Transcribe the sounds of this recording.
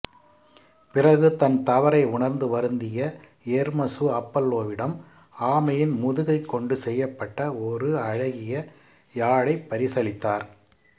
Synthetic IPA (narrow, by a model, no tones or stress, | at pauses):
pɪrɐɣɯt̪ɐnt̪ɐʋɐɾɐɪʊɳɐɾnd̪ɯʋɐɾɯnd̪ɪjɐ | eːɾmɐsɯɐpːɐlːoːʋɪɽɐm | aːmɐjɪnmʊðɯɣɐɪkːɔɳɖɯsɛjːɐpːɐʈːɐɔɾɯɐɻɐɣɪjɐ | jaːɽɐɪpːɐɾɪsɐɭɪt̪ːaːɾ